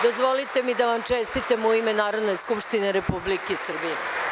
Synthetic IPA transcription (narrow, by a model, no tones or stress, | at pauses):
d̪o̞zʋo̞lit̪e̞mid̪aʋamt͡ʃest̪it̪emuimenaːɾo̞d̪ne̞skupʂt̪ine̞ɾe̞publikesr̩bije